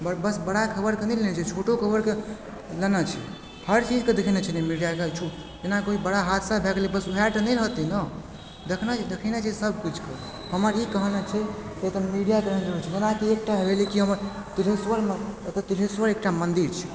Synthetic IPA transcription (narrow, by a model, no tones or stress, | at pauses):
bəbəsbəɽakʰəbəɾkenilenɛt͡ʃʰɛt͡ʃʰoʈokʰəbəɾke | lenət͡ʃʰɛ̰ | həɾt͡ʃid͡ʒked̪ekʰinet͡ʃʰɛnemiɽijakt͡ʃʰu | d͡ʒenakoibəɽaɦat̪səbʱeɡlibəsuɦɛʈnəjlɦət̪inə | d̪ekʰnət͡ʃʰd̪ekʰənet͡ʃʰisəb̚ʱkut͡ʃʰke | həməɾikəɦnət͡ʃʰɛtet̪əmiɖijakeɾəd͡ʒəɾut͡ʃʰid͡ʒenakiek̚ʈaɦebelikiɦəməɾ | t̪iɾɦesʋəɾmet̪t̪iɾɦeswəɾek̚ʈamənd̪iɾt͡ʃʰɛ̥